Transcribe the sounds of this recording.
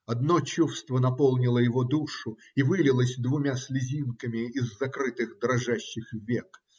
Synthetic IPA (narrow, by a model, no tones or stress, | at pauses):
ɐd̪not͡ɕufst̪vənɐpo̞lˠnʲɪlˠəjɪvod̪uʂʊ | ivɨlʲɪlˠəsʲd̪vʊmʲasʲlʲɪzʲinkəmʲɪːzːɐkɾɨt̪ɨxd̪ɾɐʐaɕːɪxvʲek